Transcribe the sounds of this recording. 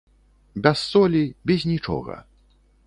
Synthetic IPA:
bʲasːɔlʲibʲɛzʲnʲit͡ʂɔ̰ɣɐ̰

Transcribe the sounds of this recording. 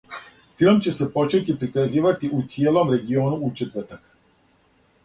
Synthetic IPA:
filˠmt͡ɕe̞se̞po̞t͡ʃe̞t̪ipɾikaziːʋat̪iʔut̪sijelo̞mɾe̞ɡio̞ːnuut͡ʃet̪ʋr̩t̪ak

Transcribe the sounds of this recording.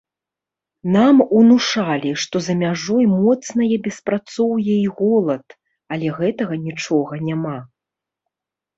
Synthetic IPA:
namunuʂalʲiʂt̪ɔzɐmʲaʐɔjmɔt̪snɐjɛbʲɛspɾat̪sɔwjɛiɣɔlˠɐt̪ | alʲɛɣɛt̪ɐɣɐnʲit͡ʂɔɣɐnʲama

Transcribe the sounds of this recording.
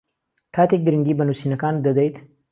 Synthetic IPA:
kʰat̪iɡɨɾɨŋɡibənusinɐkand̪əd̪əjt̪

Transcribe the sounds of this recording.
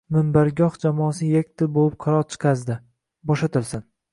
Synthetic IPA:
mɪmbaɾɡʲɒhd͡ʒamɒːsɪjakʲt̪ʰɪbolɪp̚qʰɑɾɒɾt͡ʃʰɨ̥qʰɑzd̪ɪ | bɒʃat̪ʰɪlsɪn

